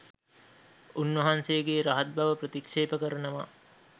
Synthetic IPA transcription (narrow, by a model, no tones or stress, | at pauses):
unʋɐɦansejəɡeːɾaɦɐt̪̚bʱaʋəprət̪ikʂeːpəkəɾɐnəʋa